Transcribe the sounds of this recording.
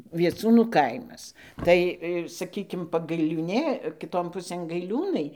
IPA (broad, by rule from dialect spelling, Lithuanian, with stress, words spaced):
ʋʲiɛˈt͡suːnuː ˈkɐɪmɐs ˈtɐɪ ˈsɑːkʲiːkʲɪm pɐɡɐɪlʲuːˈnʲeː kʲɪˈtoːn ˈpʊsʲeːn ɡɐɪˈlʲuːnɐɪ